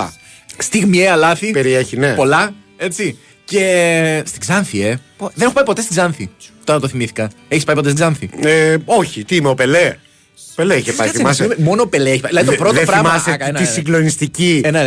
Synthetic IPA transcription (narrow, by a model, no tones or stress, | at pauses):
st̪iɣmieɐlɐθipeɾieçinepo̞lɐ | e̞t͡si | ce̞st̪iɡzɐnθie̞ | ðeneopɐipo̞t̪est̪izɐnθit̪o̞ɾɐt̪oθimiθi̥kɐ | eçispɐipot̪eizɐnθieo̞çit̪iimeope̞le | opeleiçepɐiθimɐsimemo̞nope̞leeçipɐðilɐðit̪opɾoðoepɾɐmɐsenisiŋɡlonist̪icienɐ